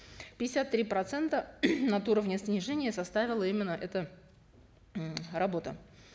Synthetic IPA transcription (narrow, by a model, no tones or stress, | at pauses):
pʲɪdʲɪsʲat̪ːɾʲipɾɐt̪sɛnt̪ənɐt̪uɾəvnʲəsnʲɪʐɛnʲɪjəsɐst̪avʲɪlˠəimʲɪnːəʔɛt̪ə | rɐbo̞t̪ə̰